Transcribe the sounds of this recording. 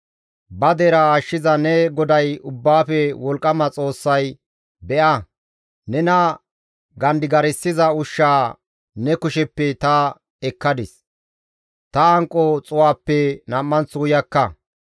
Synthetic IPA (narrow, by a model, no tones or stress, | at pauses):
bɐd̪eɾɐaːʃːɪzɐnɛɡɔd̪ɐjʊbːaːfɛwɔlkʼːɐmɐt͡sʼo̞ːsːɐj | bɛʔɐ | nɛnɐ | ɡɐnd̪ɪɡɐɾɪsːɪzɐʊʃːaː | nɛkʊʃɛpːɛt̪ɐ | ɛkːɐd̪ɪs | t̪ɐːŋkʼːɔt͡sʼʊwaːpːɛnɐmːɐnt͡suːjɐkːɐ